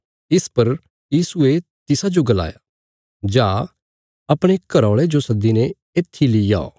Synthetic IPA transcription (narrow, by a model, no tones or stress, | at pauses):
ɪspɐɾ | jiːsuet̪ɪsad͡ʒoɡɐla̰ːja̰ | d͡ʒaː | ɐpɽ̃ekɐɾɔːɭed͡ʒosɐd̪ːinɛ | eːt̪ʰːilija̰ːo̰ː